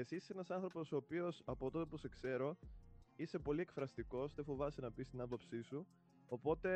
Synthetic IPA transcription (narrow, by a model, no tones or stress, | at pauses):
e̞sissenɐsɐnθɾo̞po̞so̞ːpio̞sɐpo̞t̪o̞t̪e̞puse̞kse̞ɾo̞ise̞po̞lie̞kfɾɐst̪iko̞sðefovɐsenɐpist̪inɐpopsisu | opo̞t̪e̞